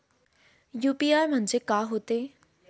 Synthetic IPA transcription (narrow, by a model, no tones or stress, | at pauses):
juːpiːaːjmənd͡ʒeːkaːɦoːt̪eː